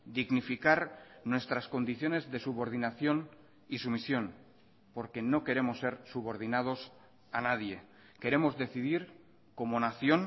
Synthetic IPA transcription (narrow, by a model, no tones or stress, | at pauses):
d̪iɣnifikaɾnwe̞st̪ɾasko̞nd̪iθjo̞ne̞zðe̞suβo̞ɾð̞inaθjo̞n | isumisjo̞n | po̞ɾke̞no̞ke̞ɾe̞mosːe̞ɾsuβo̞ɾð̞inað̞o̞s | anaðje̞ | ke̞ɾe̞mo̞zðe̞θiðiɾ | ko̞mo̞naθjo̞n